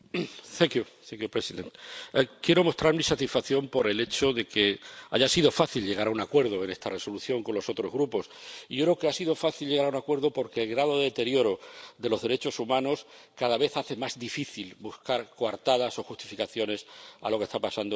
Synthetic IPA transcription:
θeŋkjuθeŋkjupɾesiðḛ̃nt̪kje̞ɾo̞mo̞st̪ɾaɾmisat̪isfaθjo̞mpo̞ɾe̞le̞t͡ʃo̞ðe̞ke̞aʝasiðo̞faθilʎe̞ɣ̞aɾaunakwe̞ɾð̞oe̞ne̞st̪are̞so̞luθjo̞ŋko̞nlo̞so̞t̪ɾo̞zɣɾupo̞siʝokɾeoke̞asiðo̞faθilʎe̞ɣaɾaunakwe̞ɾðo̞po̞ɾke̞ːlɣɾað̞oðeðet̪e̞ɾjo̞ɾo̞ðe̞lo̞zðe̞ɾe̞t͡ʃo̞sumãno̞s | kaðaβe̞θaθe̞mazd̪ifiθilbuskaɾkwaɾt̪aðaso̞xust̪i̥fikaθjo̞ne̞sa̰lo̞ke̞st̪apasand̪o

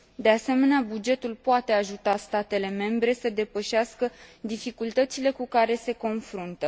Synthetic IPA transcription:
d̪e̞ase̞me̞neabud͡ʒe̞t̪ulpoat̪e̞aʒut̪ast̪at̪e̞le̞me̞mbɾe̞səd̪e̞pəʃaskəd̪ifikult̪ət̪sile̞kukaɾe̞se̞ko̞nfɾunt̪ə

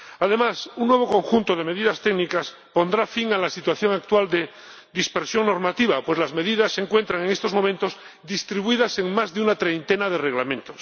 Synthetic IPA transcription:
aðe̞masunnːwe̞β̞o̞ko̞ŋxunt̪oðe̞me̞ðiðast̪eɡnikas | po̞nd̪ɾafiŋalasit̪waθjo̞ŋak̚t̪wald̪e | ðispeɾsjo̞ŋnoɾmat̪iβapwe̞zlazme̞ðiðasːe̞ŋkwe̞nt̪ɾaŋeŋe̞st̪o̞zmo̞mẽnt̪oz | ðist̪ɾiβuiðase̞ŋmazðeunat̪ɾejnt̪e̞naðe̞re̞ɣlamẽnt̪os

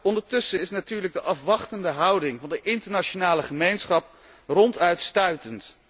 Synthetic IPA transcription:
ɔndəɹtɵsəɪsnatyːɹləɡ̚dəʔɑfʋɑχtəndəɦɑwdɪŋvɑndəʔɪntəɹnat͡ʃonaːləχəmejnsχɑp̚ | rɔntœɥtstœɥtənt

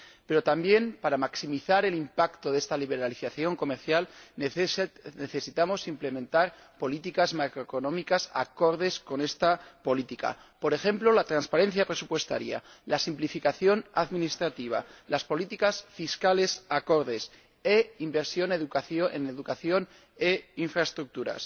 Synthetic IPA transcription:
pe̞ɾo̞t̪ambje̞mpaɾamaksimiθaɾe̞limpakt̪o̞ðe̞st̪aliβ̞e̞ɾaliθaθjo̞ŋko̞meɾθjal | neθe̞sit̪amo̞simple̞mẽ̞nt̪aɾ | po̞lit̪ikazmakɾoekonõ̞mikasa̰ko̞ɾðe̞sko̞ne̞st̪apo̞lit̪ika̰ | po̞ɾe̞xe̞mplo̞lat̪ɾanspaɾe̞n̟θjapɾe̞supwe̞st̪a̰ɾja̰ | lasimplifikaθjo̞naðminist̪ɾat̪iβ̞a̰laspo̞lit̪ikasfiskale̞sako̞ɾðes | eimbe̞ɾsjo̞neðukaθjoeneðukaθjo̞n | eiɱfɾaest̪ɾuk̚t̪uɾa̰s

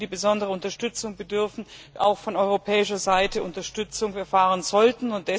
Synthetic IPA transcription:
d̥iːbəzɔndəʁəʊntɐʃtʏt͡sʊŋbədʏɐfn̩ʔa̰ʊxfɔnʔɔʏʁopʰɛːɪʃɐzaɪtəʔʊntɐʃtʏt͡sʊŋfɛɐfaːʁənzɔltn̩ʊnt̚d̥ɛ

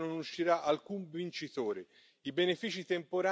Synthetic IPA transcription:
nʊnuʃːiɾaʔalkumvint͡ʃit̪oːɾe | ibenefiːt͡ʃit̪empoɾa

